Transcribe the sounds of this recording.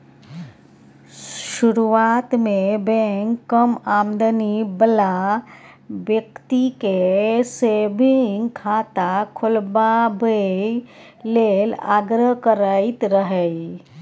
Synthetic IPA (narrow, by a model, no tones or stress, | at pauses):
ʃʊɾuʋaːt̪mebẽŋkːəmaːmd̪ənibəla | ʋjək̚t̪ikesebiŋkʰaːt̪akʰʊlbabə | leːla̰ːɡɾəɦkəɾait̪ɾəɦei